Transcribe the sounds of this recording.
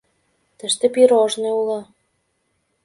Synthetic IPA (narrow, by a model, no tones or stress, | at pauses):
t̪ə̆ʃt̪ĕpiɾoʒneulɑ